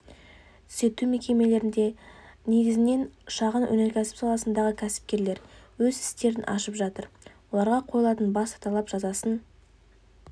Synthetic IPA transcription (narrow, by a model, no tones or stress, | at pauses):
t̪ʰse̞t̪ume̞kʲe̞me̞le̞ɾɪnd̪e̞ne̞ɡʲɪzɪne̞nʃɑʁənwʔɵ̰ne̞ɾkʲʰæsɪ̥psɑlˠɑsənd̪ɑʁəkʲʰæsɪ̥p̚kʲe̞ɾle̞ɾwɵzɪst̪e̞ɾɪnʔɑ̰ʃəpʒɑt̪əɾwo̞lˠɑɾʁɑqʰo̞jəlˠɑt̪ənbɑst̪ʰɑlˠɑpʒ̥ɑzɑsən